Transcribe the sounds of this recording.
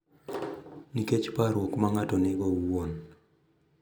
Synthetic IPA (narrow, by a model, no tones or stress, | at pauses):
niket͡ʃpaɾwokmaŋatɔnɪɡɔwwon